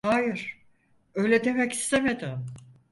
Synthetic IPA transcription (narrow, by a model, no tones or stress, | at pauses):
hajɪɾ̥ | ø̞jlʲɛd̪e̞mɛci̥st̪ʰe̞me̞d̪ɪm